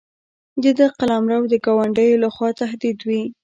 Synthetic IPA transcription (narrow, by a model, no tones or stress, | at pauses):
d͡ʒəd̪əqalamɾawd̪əɡɑwaɳɖəjolaxwɑt̪aɦd̪id̪wi